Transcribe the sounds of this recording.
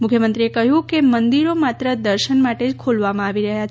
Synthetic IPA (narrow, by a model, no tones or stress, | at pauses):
mukʰjəmənt̪ɾiekəɦjũkemənd̪iɾomat̪ɾəd̪əɾʃənmaʈed͡ʒkʰolʋamãaʋiɾəɦjat͡ʃ